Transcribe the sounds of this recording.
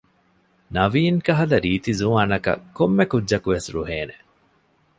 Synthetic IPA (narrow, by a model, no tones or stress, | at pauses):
nɐʋiːŋkɐɦɐlɐɾiːt̪izuŋɐnɐkɐ̰komːekudːʒɐkuʋesɾṵɦeːne